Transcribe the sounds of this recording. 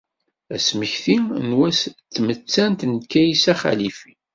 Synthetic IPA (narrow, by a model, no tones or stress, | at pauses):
æsməçθinwæst̪ːmət͡sːænt̪nkːæjisæχæ̰lifi̥